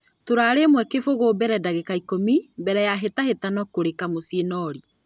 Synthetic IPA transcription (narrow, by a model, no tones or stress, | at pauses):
toɾaɾemwɛkefoɣobɛɾɛdaɣekaikomibɛɾɛjaɦetahetanɔkoɾekamosienɔɾi